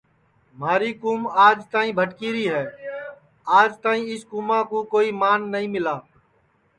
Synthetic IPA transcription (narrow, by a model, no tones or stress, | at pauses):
maːɾiːkuːmaːd͡ʒt̪aːĩːbʱəʈkiːɾiːɦɛː | aːd͡ʒt̪aːĩːɪskuːmãːkoːkoːiːmaːnːəɦĩːmɪlaː